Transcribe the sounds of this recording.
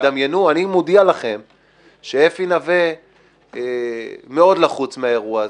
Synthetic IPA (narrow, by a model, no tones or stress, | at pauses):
d̪amjenuanimud̪ialaχe̞m | ʃeefinave | me̞o̞d̪laχut͡smeae̞ʁua